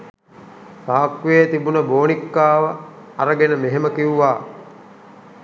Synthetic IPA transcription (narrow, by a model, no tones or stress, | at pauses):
saːkuʋeːt̪ibunəboːnikːaːʋə | aɾəɡenəmeɦeməkiuʋaː